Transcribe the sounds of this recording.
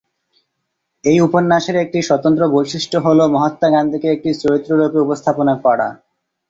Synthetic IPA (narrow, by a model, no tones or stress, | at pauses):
ejuponːaʃeɾek̚ʈiʃɔt̪ont̪̬ɾobojʃiʃʈoɦolomɔɦat̪ːaɡand̪ʱikeek̚ʈit͡ɕoɾit̪ːɾoɾopeupost̪ʰaponakɔɽa̰